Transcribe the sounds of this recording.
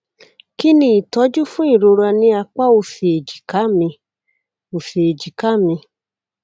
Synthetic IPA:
ki˦nĩ˦i˨tɔ˨˦d͡ʒu˦fũ˦i˦˨ɾo˧ɾa˧nĩ˧a˧k͡pa˦o˧fe˨e˨d͡ʒi˨ka˨˦˨mĩ˧ | o˨fe˨e˨d͡ʒi˨ka˦˨mĩ˧

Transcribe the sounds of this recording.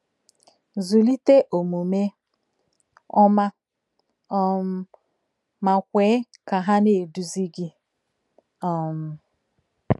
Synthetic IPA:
zu˨li˦te˦ʔo˨mu˨me˦ | ɔ˦ma˦ | ɔ˦m˦ | ma˨kʷeː˨˦ | ka˨ɦa˦ne˨du˨zi˦ɡi˦ | ɔ˨m̩˨

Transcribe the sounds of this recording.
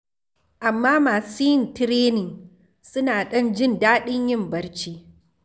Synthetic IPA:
ʔa˨mːaː˦maː˨si˦˨ntɪ˦ɾeː˦nɪ˨ŋ | sʊ˦naː˨ɗɐ˦nd͡ʒɪ˦˨ndaː˦ɗɪ˦ɲjɪ˦˨mbɐ˦ɽt͡ʃiː˦

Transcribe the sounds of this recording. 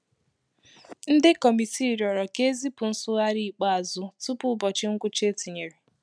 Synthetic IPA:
n̩˦dɪ˦kɔ˨mi˨ti˦˨ɾi˨ɔ˨ɾɔ˨ke˦zi˦pʊ˨n̩˦sʊ˦ɣa˦ɾi˦i˨k͡pa˦a˨zʊ˦tu˦pʊ˦bɔ˨t͡ʃɪ˦ŋ̩˦ɡʷʊ˦t͡ʃe˦ti˨ɲe˨ɾi˨

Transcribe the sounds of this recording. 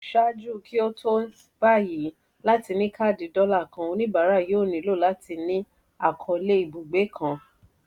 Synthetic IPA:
ʃa˦d͡ʒu˦˨ki˦o˦tʰo˦ | ba˦˨ji˨˦ | la˦ti˧nĩ˦kʰa˦˨di˨˦dɔ˦la˦˨kã˧˨o˧nĩ˦ba˨˦ɾa˦˨joː˦˨nĩ˨˦lo˦˨la˨˦ti˧nĩ˦ | a˦˨kʰɔ˧le˦i˨bu˨ɡ͡be˨˦kʰã˧˨

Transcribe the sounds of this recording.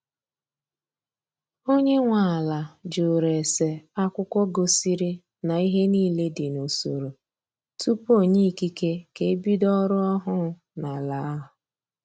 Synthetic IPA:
o˦ɲe˦ŋʷa˨la˨d͡ʒo˨ɾe˨se˨a˦kʷʊ˦kʷɔ˦ɡo˨si˦ɾi˦ | na˨i˦ɦe˦niː˦˨le˦dɪ˨no˨so̰˨ɾo˨ | tu˦po˦˨ɲe˦i˨ki˦ke˦ke˨˦bi˦dɔ˦ɾʊ˦ɔ˦ɦʊ˦ | na˨la˨˦ɦʊ˨

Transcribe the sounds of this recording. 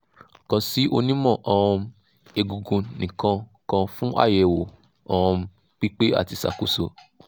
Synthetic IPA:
kã˧si˦o˧nĩ˦mɔ̃˦˨ʔɔ̃˨˧ | e˧ɡu˨ɡũ˨˧nĩ˨kã˧ | kã˧fũ˦ʔa̰˦˨jɛ˨wo˨ | ɔ̃˨˧ | k͡pi˦k͡pe˦a̰˦˨ti˧sa̰˨ku˦so˧

